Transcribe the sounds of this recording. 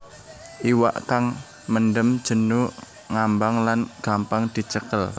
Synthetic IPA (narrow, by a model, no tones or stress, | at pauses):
ʔiwa̰ʔkaŋ | məndəmd̥ʒ̥ə̤nu | ŋambaŋlanɡ̥a̤mpaŋd̪̥i̤t͡ʃəkəl